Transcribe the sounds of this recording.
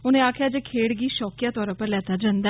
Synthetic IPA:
ʊnẽːaːkʰjaːd͡ʒeːkʰeːɽɡiːʃɔːkjaːt̪ɔːɾə̃pəɾlɛːt̪aːd͡ʒãːnd̪a

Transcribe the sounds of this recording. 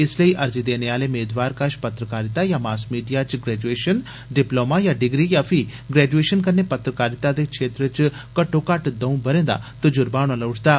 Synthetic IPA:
ɪsləiʔɐɾd͡ʒid̪eːneaːlemeːd̪ʋaːɾkaʃpɐt̪ɾəkaːɾɪt̪ajamaːsmiːɖijat͡ʃɡɾɛːd͡ʒueːʃən | ɖɪploːmajaɖɪɡɾijafʰiɡɾɛːd͡ʒueːʃənkɐɾnepɐt̪ɾəkaːɾɪt̪ad̪ekʃʰeːt̪ɾət͡ʃkɐʈːokaʈd̪ɐũbəɾẽːnd̪a̰t̪od͡ʒʊɾbaːɽ̃õlɐʊʈʰd̪aː

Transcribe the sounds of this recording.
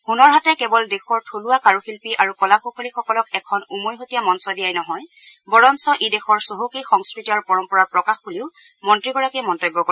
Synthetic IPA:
xunɔɹɦatɛkɛbɔldexɔɹtʰoluwakaɹuxilpiʔaɹukɔlakukʰolixɔkɔlɔkɛkʰɔnumojɦotijamɔnsɔdijajnɔɦɔj | bɔɹɔnsɔʔedexɔɹsoɦukixɔŋskɹitiaɹpɔɹɔmpɔɹaɹpɹɔkaxbuliʊ | mɔntɹiɡɔɹakɛmɔntojbːɔkɔ

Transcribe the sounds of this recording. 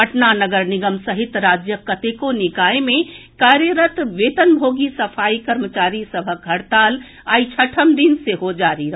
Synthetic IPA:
əʈnanəɡəɾniɡəmsəɦit̪ɾaːd͡ʒjəkət̪ekonikaemẽ | kaɾjəɾət̪ʋet̪ənbʱoːɡisəpʰaːikəɾmət͡ʃaːɾisəbʱəəɽt̪aːl | ait͡ʃʰəʈʰəmd̪inseɦod͡ʒaɾiɾəɦ

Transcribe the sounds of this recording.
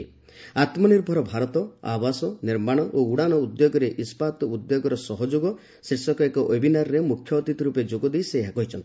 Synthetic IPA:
at̪mɔniɾbʱɔɾɔbʱaɾɔt̪ɔa̰basɔniɾmaɽ̃ɔʔouɽanɔud̪joɡɔɾeʔispat̪ɔud̪joɡɔɾɔsɔɦɔd͡ʒoɡɔ | siɾsɔkɔekɔʔobinaɾɔɾemukʰjɔːt̪it̪ɔɾuped͡ʒoɡɔd̪ejseɦakɔɦit͡ʃʰɔnt̪i

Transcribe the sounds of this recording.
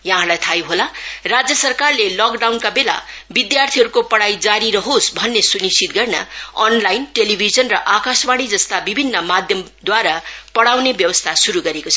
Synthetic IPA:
jaɦãlajt̪ʰajuɦolarad͡zjʌsʌrkarlelʌkɖawnkabela̰ | bid̪jart̪ʰiɦʌɾukopʌɽajd͡zaɾiɾʌɦosbʱʌnːesunist͡sʰit̪̚ɡʌrna̰ʌnlajnʈelibʱid͡zʌnrʌʔakasbaɽ̃id͡zʌst̪abibʱinːʌmad̪ʱjʌm | d̪waɾapʌɽawnebjʌwʌst̪ʰasuɾuɡʌɾekot͡sʰʌ

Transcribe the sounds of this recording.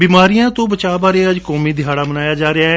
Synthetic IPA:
biːmaːɾijãːt̪õːbət͡ʃaːbaːɾeːəd͡ʒkɔːmiːd̪ʱɪɦaːɽaːbənaːjaːd͡ʒaːɾeaːɦ

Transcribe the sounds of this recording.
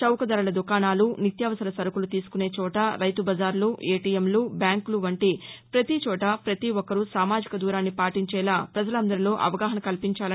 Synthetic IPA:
t͡ʃɐwkɐd̪ɐɾɐlɐd̪ukaːnaːlunit̪jaːʋɐsɐɾɐsɐɾɐkulut̪iːsu̥kune̞ːt͡ʃɔːʈɐɾɐjt̪ubɐd͡ʒaːɾluʔeːʈiːjemlubjaːŋkluʋɐɳʈipɾɐt̪it͡ʃɔːʈɐpɾɐt̪iɔkɐɾusaːmaːd͡ʒikɐd̪uːɾaːnːipaːʈiɲt͡ʃɛːlaːpɾɐd͡ʒɐlɐnd̪ɐɾilo̞ːʔɐ̰ʋɐɡaːɦɐnɐkɐlpiɲt͡ʃaːlɐ

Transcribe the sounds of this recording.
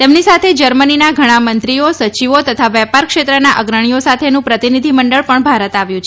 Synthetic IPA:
t̪emnisat̪ʰed͡ʒəɾməninaɡʱəɽ̃amənt̪ɾiosət͡ʃiʋot̪ət̪ʰaʋɛpaɾkʃet̪ɾənaʔəɡɾəɽ̃ijosat̪ʰenũpɾət̪inid̪ʱiməɳɖəɭpəɳbʱaɾət̪aʋjũt͡ʃʰ

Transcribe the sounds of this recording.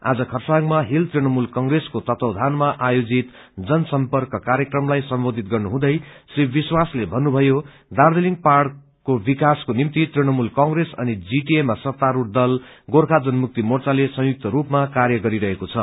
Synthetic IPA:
a̰d͡zʌkʰʌrsaŋmaɦilt̪rinʌmulkʌŋɡreskot̪ʌt̪ʌwd̪ʱanmaʔajod͡zit̪ | d͡zʌnʌsʌmpʌrkʌkaɾjʌkrʌmlajsʌmbod̪ʱit̪̚ɡʌrnuɦũd̪ʌjsibbiswaslebʱʌnːubʱʌjo | d̪ard̪eliŋɡparɽ | kobikaskonimt̪it̪rinʌmulkʌŋɡresʌ̰nid͡ziʈiemasʌt̪ːaɾuʈ̚d̪ʌlɡorkʰad͡zʌnmuk̚t̪imort͡salesʌ̃juk̚t̪ʌɾupmakarjʌɡʌɾiɾʌɦekot͡sʰʌ

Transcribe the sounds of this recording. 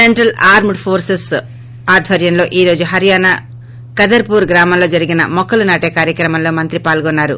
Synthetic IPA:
eɳʈɐlaːɾmɖpʰoːɾses | aːd̪ʱʋɐɾjɐmlo̞ːʔiːɾo̞ːd͡ʒuɦɐɾijaːna | kɐd̪ɐɾpuːɾɡɾaːmɐmlo̞ːd͡ʒɐɾiɡinɐ̰mɔkːɐlunaːʈeːkaːɾjɐkɾɐmɐmlo̞ːmɐnt̪ɾipaːlɡɔnːaːɾṵ

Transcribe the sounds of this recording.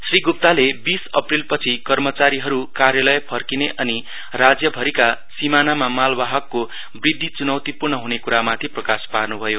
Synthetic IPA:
sriɡup̚t̪alebisʌ̰prilpʌt͡sʰikʌrmʌt͡saɾiɦʌɾukarjalʌjpʰʌrkineʔʌni | rad͡zjʌbʱʌɾikasimanamamalbaɦʌkːo | brid̪ʱːit͡sunʌwt̪ipurnʌɦunekuɾamat̪ʰiprʌkasparnubʱʌjo

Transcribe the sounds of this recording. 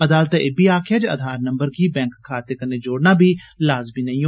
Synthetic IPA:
əd̪aːlt̪eebiːaːkʰɪjaːd͡ʒəd̪ʱaːɾnə̃mbəɾkiːbɛ̃ːŋkkʰːaːt̪eːkənːed͡ʒoːɽnaːbʱiːlaːzmiːnɐĩo

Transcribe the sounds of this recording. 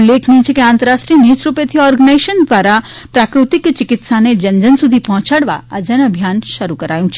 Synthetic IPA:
leːkʰniẽt͡ʃʰɛkiãːnt̪əɾaːʃʈɾinit͡ʃɾupet̪ʰiɔːɾɡənaɪʃənd̪ʋaːɾa | pɾaːkɾɪt̪ɪkt͡ʃɪkɪt̪saned͡ʒɐ̃ɲd͡ʒənsʊd̪ʱipɔ̃ɦʊ̃t͡ʃəɽʋa̰ɐd͡ʒɐnɐbʱjaːnʃɐɾukɐɾaːjũt͡ʃʰi

